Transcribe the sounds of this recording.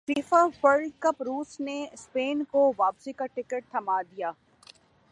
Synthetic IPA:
fiːfawɐɾɖkəpɾuːsnespeːnkoʋaːpsikaʈɪkəʈ̚t̪ʰɐmaːd̪ijaː

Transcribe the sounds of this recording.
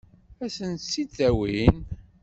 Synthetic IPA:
æsənt̪sːit͡sːæwin

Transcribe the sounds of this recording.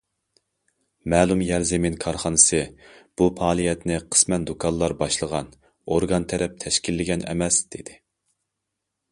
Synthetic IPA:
mɛːlˠumjæɾzeminkʰɑɾχɑnɨsɨb̥upɑːlˠijɛt̪nɪqʰə̥smɛnd̪okʰɑnlˠɑɾbɑʃlˠəʁɑn | oɾɡɑnt̪ʰɛɾɛp̚t̪ʰɛʃkʲilːɪɡʲɛnɛ̰mɛsd̪̥ed̪̥ɪ

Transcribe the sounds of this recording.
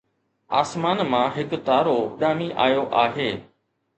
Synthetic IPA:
aːsmaːnmãɦɪkt̪aːɾoʊɗaːmiʔaːjoʔaːɦeː

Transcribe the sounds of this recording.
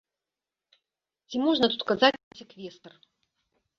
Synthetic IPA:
t͡sʲimɔʐnɐt̪ut̪kazat͡sʲnɐsʲɛkvʲɛst̪ɐr

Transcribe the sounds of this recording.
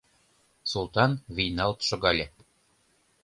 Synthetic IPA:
sulˠt̪ɑnβijnɑlt̪ʃŏɣɑlʲe

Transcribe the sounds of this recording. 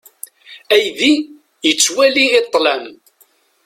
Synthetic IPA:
æjði | jət͡sːwæliːt̪ˤːlæm

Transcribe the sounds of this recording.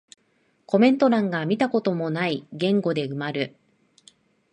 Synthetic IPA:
ko̞mẽ̞nt̪o̞ɾãŋɡamʲit̪ako̞t̪o̞mo̞naiɡẽ̞ŋɡo̞d̪e̞ɯ̟maɾɯ̟

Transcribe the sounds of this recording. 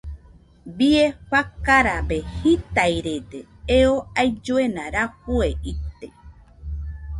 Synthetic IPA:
bieɸakaɾabehit̪ajɾed̪e | eoajd͡ʒoenaɾahueʔit̪e

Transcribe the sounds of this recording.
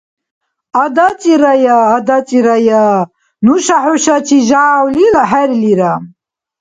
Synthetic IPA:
ad̪at͡sʼiɾajaːd̪at͡sʼiɾaja | nuʃaħuʃat͡ʃʰiʒaʕawlilaħaɾiliɾa

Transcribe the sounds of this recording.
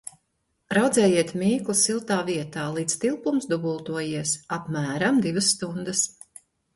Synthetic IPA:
ɾawd̪zɛːjiɛt̪mʲiːklˠusilˠt̪aːviɛt̪aːlˠiːt̪st̪ilˠpumsd̪uɡulˠt̪uɔjiɛsapmæːɾamd̪ivɐsːt̪und̪ɐs

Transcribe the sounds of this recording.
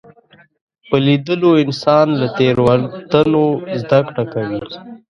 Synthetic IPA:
pəlid̪əloɪnsɑnlat̪eɾwaɾt̪anozd̪akɽakawi

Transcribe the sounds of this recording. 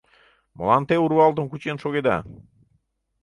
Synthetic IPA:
mə̰̆lɑnt̪euɾβɑlˠt̪əmkut͡ɕenʃoɣed̪ɑ̰

